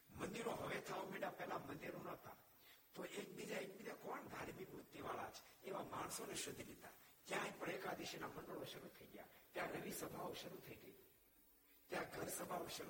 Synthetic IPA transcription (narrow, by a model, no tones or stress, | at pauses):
mənd̪iɾoɦəʋet̪ʰaomeɽapɛɦlamənd̪iɾonəɦt̪a̰ | t̪oʔek̚bid͡ʒaek̚bid͡ʒakɔɳd̪ʱaɾmibut̪ːiʋaɭa̰t͡ʃʰeʋamaɳ̃soneʃʊd̪ʱːilit̪akjãĩpəɽekad̪iʃenamənd̪əɭoʃəɾut̪ʰəiɡəja̰t̪jãnəʋisəbʱaoʃəɾut̪ʰəiɡəi | t̪jãɡʱəɾsəbʱaoʃəɾu